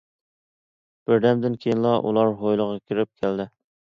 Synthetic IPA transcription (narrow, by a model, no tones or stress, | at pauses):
b̥ɪɾd̪ɛmd̪ɪnkʲʰejinlˠɑʔṵlˠɑɾɦojlˠəʁɑkʲʰiɾɪp̚kʲʰæld̪ɪ